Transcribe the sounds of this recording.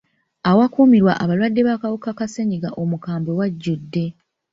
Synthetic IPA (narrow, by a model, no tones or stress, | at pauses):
awakuːmiɾwaʔaβalwadːe̞βaːkawukakaseɲiɡaʔo̞mukaːmbe̞waɟːudːe̞